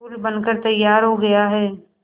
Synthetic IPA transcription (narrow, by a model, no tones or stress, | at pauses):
uːlbɐnkəɾt̪ɐjːaːɾɦoɡɐjaɦɛː